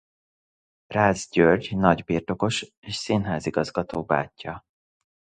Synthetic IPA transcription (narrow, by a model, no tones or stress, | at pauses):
raːzɟørɟnɒɟbiːrt̪o̞ko̞ʃ | eːʃsinɦaːziɡɒzɡɒt̪oːba̰ːcːɒ